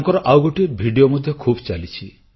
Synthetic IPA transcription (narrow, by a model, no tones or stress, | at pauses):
ŋkɔɾɔʔawɡoʈibʱiɖiomod̪ʱjɔkʰubt͡ʃalit͡ʃʰi